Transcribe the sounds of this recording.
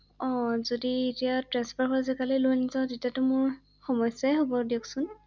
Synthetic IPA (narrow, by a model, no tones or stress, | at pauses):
ɔ̃zodietijatɹanspʰaɹkɔɹzɛkalɛlonizɔtetiatʊmʊɹ | xɔmɔjsaɦobɔdiɔksʊn